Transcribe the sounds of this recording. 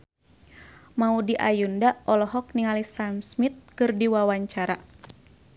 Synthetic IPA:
maudiʔajundaʔɔlɔɦɔk̚niŋalisamsmit̪̚kɨrdiwawaɲt͡ʃaɾa

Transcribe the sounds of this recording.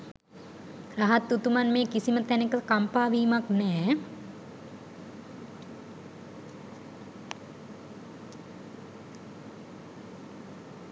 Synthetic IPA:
ɾɐɦɐt̪ːut̪umɐnmẽːkisimət̪ɛnekəkɐmpaːʋiːmaknɛː

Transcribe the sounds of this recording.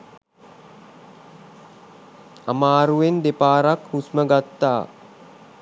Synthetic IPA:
amaːɾuʋend̪epaːɾakhusməɡat̪ːa̰ː

